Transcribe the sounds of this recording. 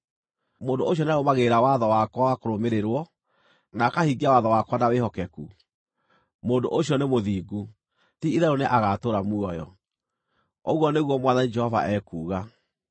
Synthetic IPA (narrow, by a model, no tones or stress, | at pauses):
moːndooɕ̬jɔneaɾomaɣeɾawaðɔwakwaakoɾomeɾeɾwɔ | nakahiɡiawaðɔwakwanawehɔkɛku | moːndo̰ʔoɕjɔnemoðiːɡu | tiiðɛɾoneʔaɣatoɾamuɔjɔ̰ | oɣwɔneɣwɔmwaðanid͡ʒɛhɔva̰ʔɛkuːɣa